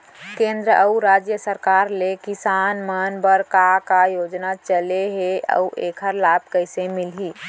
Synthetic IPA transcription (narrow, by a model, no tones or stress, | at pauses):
kẽnd̪ɾəʔəuɾad͡ʒjəsəɾkaɾlekisanmanbəɾkakajod͡ʒnat͡ʃəleɦeə̰uʔekʰəɾlab̚ʱkəɪsemilɦi